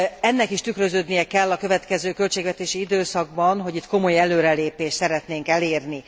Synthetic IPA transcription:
ɛnːɛkiʃt̪ykrøzøːd̪nijɛkɛlːɒkø̞vɛt̪kɛzøːkø̞lt͡ʃeːɡvɛt̪eːʃiid̪øːsɒɡ̚bɒnɦo̞ɟit̪ko̞mo̞jɛløːɾɛleːpeːʃt̪sɛɾɛt̪neːŋkɛleːrni

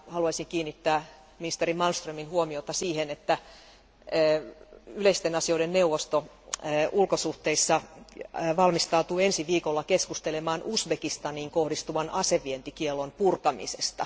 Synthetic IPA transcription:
hɑluɑsiŋkiːnːit̪ːæː | minist̪erimɑlst̪røːminhuomiot̪ɑsiːhenet̪ːæː | yleist̪enɑsioiɾenneuwʋost̪o | ulkosuht̪eisːɑ | ʋɑlmist̪ɑut̪uːensiʋiːkolːɑkeskust̪elemɑːnʔusbekist̪ɑniːŋkohdist̪uʋɑnɑseʋient̪ikielːonpurkɑmḭsest̪ɑ̰

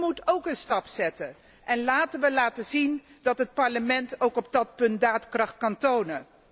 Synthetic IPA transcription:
mutowkənstɑpsɛtə | ʔɛnlaːtənʋəlaːtəzin | dɑtɦət̚pɑɹləmɛntowkɔb̚dɑt̚pɵntdaːtkrɑχtkɑntownə

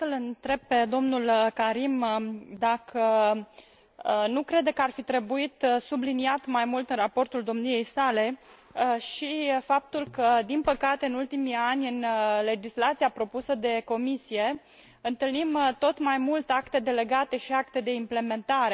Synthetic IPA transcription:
səlɨnt̪ɾe̞b̚pe̞d̪o̞mnulkaɾimd̪akʰə | nukɾe̞d̪ekəarfit̪ɾe̞buit̪subliniat̪majmult̪ɨnrapo̞rt̪uld̪o̞mnije̞jsale̞ | ʃifap̚t̪ulkəd̪inpəkat̪e̞ɨnult̪imianʲɨnle̞d͡ʒislat̪siapɾo̞pusəd̪e̞ko̞misije̞ | ɨnt̪ɨlnimt̪o̞t̪majmult̪eakt̪e̞d̪e̞le̞ɡat̪e̞ʃiakt̪e̞d̪e̞imple̞me̞nt̪aɾe̞

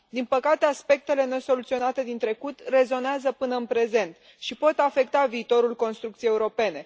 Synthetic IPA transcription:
d̪inpəkat̪e̞aspe̞k̚t̪e̞le̞ne̞so̞lut̪sio̞nat̪e̞d̪int̪ɾe̞kut̪re̞zo̞neazəpɨnəɨnpɾe̞ze̞nt̪ | ʃipo̞t̪afe̞k̚t̪aviːt̪o̞ɾulko̞nst̪ɾukt̪sijeuɾo̞pe̞ne̞

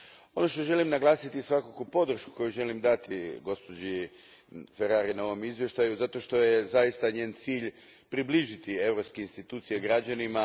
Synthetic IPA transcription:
o̞no̞ʃt̪o̞ʒe̞limnaɡlˠaːsit̪isʋakokupo̞d̪r̩ʃku̥ko̞juʒe̞limd̪at̪iɡo̞spo̞d͡ʑi | feɾaːɾinao̞ʋomizʋje̞ʃt̪ajuzat̪o̞ʃt̪o̞jezajist̪aɲeːnt̪siːʎ | pɾibliʒit̪ie̞vɾopskeinst̪it̪uːt̪sijeɡɾad͡ʑanima

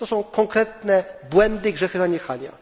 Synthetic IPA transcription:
t̪ɔsɔ̃w̃kɔ̃ŋkɾɛt̪nɛbwɛnd̪ɘɡʐɛxɘzaɲɛxalʲja̰

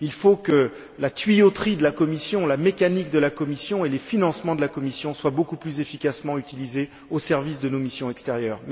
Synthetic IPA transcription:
ilfokə | lat̪ɥijot̪χid̪əlakɔmisjɔ̃lamekanik̚d̪əlakɔmisjɔ̃elefinɑ̃smɑ̃d̪əlakɔmisjɔ̃swabokuplyzefikasmɑ̃yt̪ilize | osɛʁvisd̪ənomisjɔ̃ɛkst̪ɛʁjœːʁm

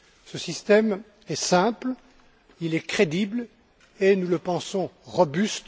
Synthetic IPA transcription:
səsist̪ɛm | ɛsɛ̃pl | ilɛkχed̪ibl | enuləpɑ̃sɔ̃ʁɔbyst̪

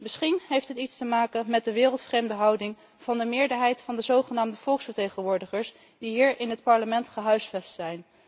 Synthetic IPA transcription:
mɪsχinɦejftɦətitstəmaːkənmɛd̚əʋɪːrəlˠtfrejmdəɦɑwdɪŋ | v̥ɑndəmɪːɹdəɹɦɛjtfɑndəzowχənaːmdəv̥ɔlˠksfəɹtejχənʋʊːɹdəχəɹs | diɦiːɹɪnɦətpɑɹləmɛntχəɦœɥsfɛstsɛjn

